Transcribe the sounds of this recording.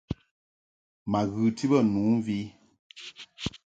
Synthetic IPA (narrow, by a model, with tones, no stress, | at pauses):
ma˨ɣɨ˨ti˦bə˦˨nu˨˦vi˦